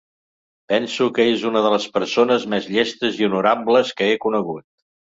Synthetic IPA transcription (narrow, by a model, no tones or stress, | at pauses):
pɛnsukəezunəðələspəɾsonəzmɛzʎɛst̪əziunuɾabləskəekunəɣut̪̚